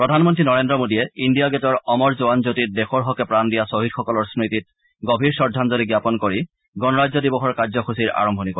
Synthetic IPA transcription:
pɹɔdʱanmɔntɹinɔɹendɹɔmodiɛindijaɡetɔɹɔmɔɹzoanzotit̚dexɔɹɦɔkɛpɹandijasoɦidxɔkɔlɔɹsmɹitit̚ | ɡobʱiɹsɔɹdʱːanzɔliɡjapɔnkoɹi | ɡɔnɔɹazɔdibɔxɔɹkaɹzɔxusiɹa̰ɹɔmbʱɔnikɔ

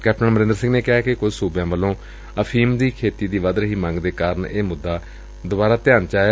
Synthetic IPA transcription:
kɛːp̚ʈənməɾɪ̃nd̪ɾsɪ̃ŋɡneːkɪɦaːkɪkʊd͡ʒsuːbjãːʋəlːõː | əpʰiːmd̪iːkʰeːt̪iːd̪iːʋəd̪ɾəɦiːmə̃ŋɡd̪eːkaːɾəɳeːmʊd̪ːaː | d̪ʊbaːɾaːt̪ɪjaːnt͡ʃaː

